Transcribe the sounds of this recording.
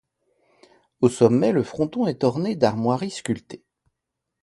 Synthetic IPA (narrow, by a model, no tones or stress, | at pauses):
osɔmːɛləfχɔ̃t̪ɔ̃ɛt̪ɔʁned̪aʁmwaʁiskʲylt̪e̥